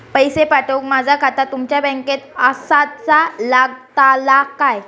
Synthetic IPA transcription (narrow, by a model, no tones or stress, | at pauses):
pəjsepaʈəkmad͡zʱakʰat̪at̪umt͡ɕjabɛ̃ŋket̪əsat͡salaɡ̚t̪alakaj